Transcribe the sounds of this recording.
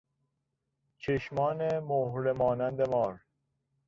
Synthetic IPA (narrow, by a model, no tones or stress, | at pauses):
t͡ʃʰeʃmɒːnemohɾemɒːnænd̪emɒːɾ